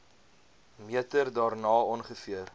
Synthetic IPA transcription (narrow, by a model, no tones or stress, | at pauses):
miətərdɑːrnɑːɔnχəfiər